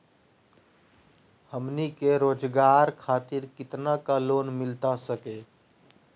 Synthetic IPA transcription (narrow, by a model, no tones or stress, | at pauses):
həmnikeɾoːd͡ʒɡaːɾkʰaːt̪ɪɾkɪt̪nakaloːnmɪlt̪asəke